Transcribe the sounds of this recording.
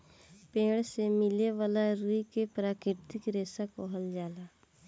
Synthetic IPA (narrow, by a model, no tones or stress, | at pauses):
pẽːɽsemɪleʋaːlaɾuikepɾaːkɪɾt̪ɪkɾeːsakɔɦəld͡ʒaːlaː